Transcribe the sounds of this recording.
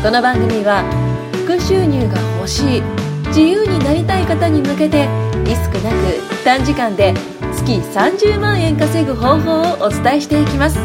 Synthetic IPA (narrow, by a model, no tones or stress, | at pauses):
ko̞no̞bãŋɡɯ̟mʲiβa | ɸɸɯ̥kɯ̟ɕɨːɲ̟ʲɨːɡaho̞ɕiː | d͡ʑijɯːɲ̟inaɾʲit̪aikat̪aɲ̟imɯ̟ke̞t̪e̞ɾʲisɨ̥kɯ̟nakɯ̟it̪ːãɲ̟d͡ʑikãnd̪e̞ | t͡sɨ̥kʲisãɲd͡ʑɨːmãɰ̃ẽ̞ŋkase̞ɡɯ̟ɦo̞ːɦo̞ːoʔot͡sɨ̥t̪aeɕi̥t̪e̞ikʲimasɨ̥